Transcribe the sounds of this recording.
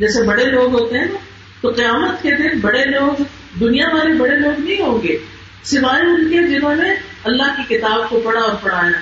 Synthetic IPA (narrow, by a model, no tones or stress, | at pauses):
d͡ʒɛːsebɐɽeloːɡɦoːt̪eɦɛ̃ | t̪oqɪjaːmət̪ked̪ɪnbɐɽeloːɡ | d̪ʊnijaʋaːlebɐɽeloːɡnɐɦĩɦõːŋɡeː | sɪʋaːeʊnked͡ʒɪnõmẽ | ɐlːaɦkikɪt̪aːb̚kopɐɽaɔːɾpɐɽ̤aːja